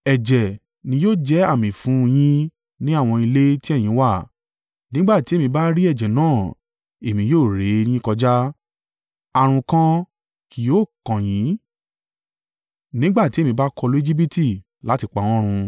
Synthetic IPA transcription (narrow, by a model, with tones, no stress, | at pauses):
ɛ˨d͡ʒɛ˨ | nĩ˧˦joː˦˨d͡ʒɛ˦a˦˨mĩ˨fũ˨˦j̃ĩ˦ | nĩ˦a˦˨w̃ɔ̃˧i˧le˦ti˦ɛ˦˨j̃ĩ˨˦wa˦˨ | nĩ˦ɡ͡ba˦˨ti˨˦e˦˨mĩ˧ba˦ɾi˦ɛ˦˨d͡ʒɛ˨nãː˦˨ | e˨mĩ˧˦joː˦˨ɾe˨˦˧nĩ˦ĩ˦kɔ˧d͡ʒa˦ | a˧˨ɾ̃ũ˧kã˦ | ki˨joː˦˨kã˨jĩ˨˦ | nĩ˦ɡ͡ba˦˨ti˨˦e˦˨mĩ˧˦ba˦kʰɔ˧lu˦e˦d͡ʒi˦b̬i˦ti˦˨ | la˨˦ti˧k͡pa˨˦w̃ɔ̃˦ɾ̃ũ˧